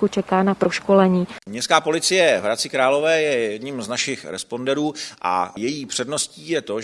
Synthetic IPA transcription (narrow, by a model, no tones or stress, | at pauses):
kut͡ʃɛkaːnapɾoʃkolɛɲiːmɲɛskaːpo̞lɪt͡sɪjɛvɾat͡sɪkɾaːlo̞vɛːjɛjɛdɲimznaʃɪxɾɛ̰spo̞ndɛɾuːʔa̰jɛjiːpr̥ɛdnosciːjɛt̪o̞